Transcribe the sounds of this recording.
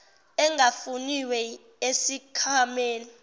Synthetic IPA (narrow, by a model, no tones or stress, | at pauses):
ɛŋafuniwɛ | esikʰameːlɔ